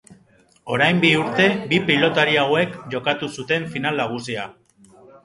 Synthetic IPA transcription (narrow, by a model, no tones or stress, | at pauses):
o̞ɾajmbiuɾt̪e̞bipilo̞t̪aɾiawe̞kʝo̞kat̪usut̪e̞ɱfinalnaɣ̞usia